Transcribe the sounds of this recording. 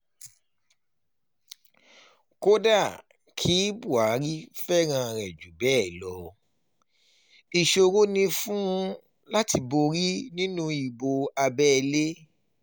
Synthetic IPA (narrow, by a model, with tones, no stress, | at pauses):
ko˦da˦˨ | kʰi˦bu˦˨a˨˦ɾi˦fɛ˦ɾ̃ã˧ɾɛ˨d͡ʒu˨bɛː˦˨lɔ˨˦ | i˨ʃo˧wo˦nĩ˧fũ˦˧ | la˦ti˧bo˧ɾi˦nĩ˦nũ˧i˨bo˧a˧bɛ˦˧le˦